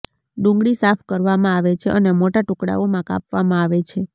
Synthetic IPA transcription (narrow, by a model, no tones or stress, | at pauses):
ɖũŋɡɭisapʰkəɾʋamãaʋet͡ʃʰeʔənemoʈaʈukɽa̰omãka̰pʋamãaʋet͡ʃʰe